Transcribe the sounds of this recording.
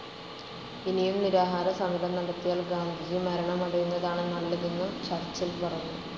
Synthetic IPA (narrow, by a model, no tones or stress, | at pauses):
inijumniɾaːɦaːɾɐsɐmɐlɐmnɐɽɐt̪ːijaːlɡaːnd̪ʱiɣimɐɾɐɳɐmɐɽɐjunːɐðaːɳɨnɐɭːɐɣenːut͡ɕɐrt͡ɕːilpɐrɐjuːɐðɨ